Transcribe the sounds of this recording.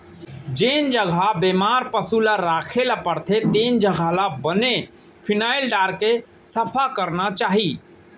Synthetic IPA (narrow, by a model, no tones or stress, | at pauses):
d͡ʒend͡ʒəɡʱabemaɾpəsulaɾaːkʰelapəɾt̪ʰet̪end͡ʒəɡʱalabəne | pʰinaːilɖaːɾke | səpʰakəɾnat͡ʃaːɦi